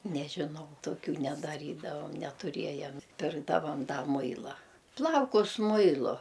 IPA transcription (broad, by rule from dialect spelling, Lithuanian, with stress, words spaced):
nʲɛʒʲɪˈnɐʊ toːˈkʲuː nʲɛdɐˈrʲiːdɐʋɐm nʲɛtʊˈrʲiɛjɛm ˈpʲɪrɡdɐʋɐm ˈdɐ ˈmʊɪlˠɐ ˈplˠɐʊkʊs ˈmʊɪlˠʊ